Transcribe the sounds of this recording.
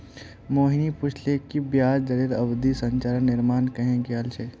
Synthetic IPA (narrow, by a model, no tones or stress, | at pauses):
moːɦinipʊt͡ʃʰlekibjaːd͡ʒd͡ʒəɾiːɾɐbd̪isɐ̃ɲt͡ʃaːɾənnɪɾmaːnkɐɦẽɡealt͡ʃʰe